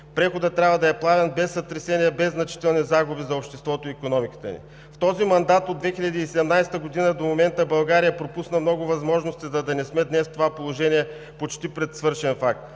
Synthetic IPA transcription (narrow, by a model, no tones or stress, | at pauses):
pɾɛxod̪ət̪ːɾʲabvɐd̪ɐɛplˠavɛnbɛsːɐt̪ɾɛsɛnijɛbɛzːnɐt͡ʃi̥t̪ɛlˠnizaɡʊbizɐopʃt̪ɛst̪vɔt̪oikonɔmikə̥t̪ə̰nḭ | ft̪ɔzimɐnd̪at̪od̪vɛxiʎʲɐd̪iːsɛd̪ɛmnajst̪əɡod̪inəd̪omomɛnt̪əbɐlˠɡaɾijəpɾopusnəmnɔɡʊvɐzmɔʒnost̪izɐd̪ɐnɛsmɛd̪nɛst̪ovapolˠoʒɛniɛ | pot͡ʃt̪ipɾɛt̪svɤɾʃɛnfak̚t̪